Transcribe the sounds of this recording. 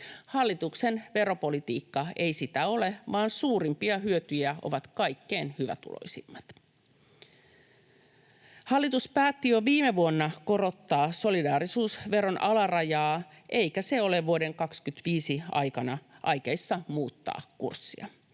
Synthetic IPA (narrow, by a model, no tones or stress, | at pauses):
hɑlːit̪uksenʋe̞ɾo̞po̞lit̪iːkːɑe̞jsit̪æo̞le̞ʋɑːnsuːɾimpiɑɦyøt̪yjæo̞̰ʋɑt̪kɑjkːeːnhyʋæ̰t̪ṵlo̰ijsimːɑt̪ | hɑlːit̪uspæːt̪ːijoʋiːmeʋuonːɑko̞ro̞t̪ːɑːso̞lidɑːɾisuːsʋe̞ɾo̞nʔɑlɑrɑjɑː | ʔe̞ijkæse̞o̞leʋuode̞ŋkɑkskyt̪ʋiːsiɑ̰jkɑnɑʔɑjkejsːɑmuːt̪ːɑ̰ːkṵrsːḭɑ̰